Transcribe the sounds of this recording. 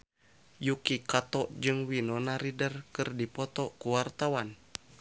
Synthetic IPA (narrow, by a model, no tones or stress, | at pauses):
jukikat̪ɔʔd͡ʒɨŋwinɔnaɾidərkɨrdipɔt̪ɔkuwart̪awan